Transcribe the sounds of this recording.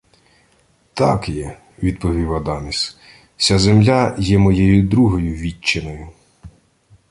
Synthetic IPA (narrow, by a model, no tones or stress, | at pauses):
t̪ɑkjɛ | ʋʲid̪̚pɔʋʲiwɐd̪ɑmʲis | sʲazemlʲajɛmɔjɛjʊd̪ɾuɦɔjʊʋʲit͡ʃːenɔjʊ